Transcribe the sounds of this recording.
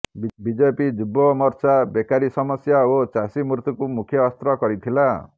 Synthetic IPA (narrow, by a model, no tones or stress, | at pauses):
bid͡ʒepid͡ʒubɔmɔɾt͡ʃabekaɾisɔmɔsjaot͡ʃasimuɾt̪ukumukʰjɔːst̪ɾɔkɔɾit̪ʰila